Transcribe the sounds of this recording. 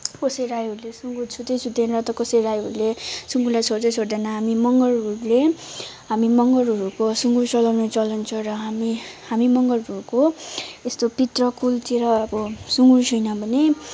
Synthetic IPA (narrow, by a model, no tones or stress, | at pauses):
kosʌjɾajɦʌɾulesuŋɡut͡sʰut̪ejt͡sʰut̪enrʌt̪ʌkʌsʌjɾajɦʌɾulesuŋɡulajt͡sʰoɾd̪ejt͡sʰoɾd̪enʌɦamimʌŋɡʌruɾle | ɦamimʌŋɡʌɾʌɾukosuŋɡuɾt͡sʌlʌwnʌt͡sʌlʌnt͡sʰʌɾʌɦamihamimʌŋɡʌruɾukoest̪opit̪rʌkult̪iɾʌʌbʌsuŋɡuɾt͡sʰujnʌbʱʌne